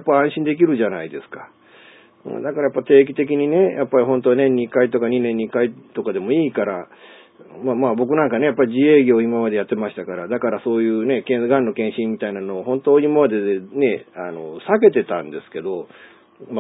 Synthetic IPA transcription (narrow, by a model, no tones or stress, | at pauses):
japːaãɰ̃ɕĩnd̪e̞k̬ʲiɾɯ̟ʑanaid̪e̞sɨ̥kḁ | ɯ̰̃d̪akaɾajapːat̪e̞ːkʲi̥t̪e̞k̬ʲiɲ̟ine̞jʔapːaɾʲihõ̞nt̪onẽ̞ɲ̟ːikait̪o̞kaɲ̟inẽɲ̟ːikait̪o̞kad̪e̞mo̞iːkaɾa | mamaːbo̞k̬ɯ̟nãŋkane̞japːaɾʲiʑie̞ːɡʲo̞ːimamad̪e̞jat̪ːe̞maɕi̥t̪akaɾad̪akaɾaso̞ːjɯ̟ːne̞kẽɡãnːo̞kẽɰ̃ɕĩmːʲit̪ainano̞ːɦõ̞nt̪o̞ːɲimamad̪e̞ne̞ano̞sake̞t̪e̞t̪ã̰nd̪e̞sɨ̥ke̞d̪o̞ | m